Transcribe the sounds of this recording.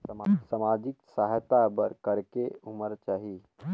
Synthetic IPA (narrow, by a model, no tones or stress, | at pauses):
masəmad͡ʒɪksaɦjt̪abəɾkəɾkeuməɾt͡ʃaːɦi